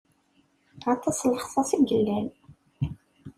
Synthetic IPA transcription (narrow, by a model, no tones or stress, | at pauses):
ɑt̪ˤːɑsˤləχsˤɑsiɡəlːæl